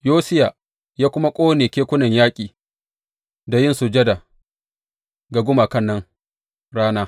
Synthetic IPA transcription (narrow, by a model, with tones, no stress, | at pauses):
joː˦sɪ˦ja˨ | jaː˦kʷʊ˦ma˦kʷʼoː˦neː˨kʲeː˦kʷʊ˦nɐ˨ɲjaː˦kʲʼiː˨ | da˨jɪ˦˨nsʊ˨d͡ʒɐ˦da˨ | ɡa˨ɡʷʊ˦ma˨kɐ˦˨nːɐ˦ŋ | ɽaː˦naː˦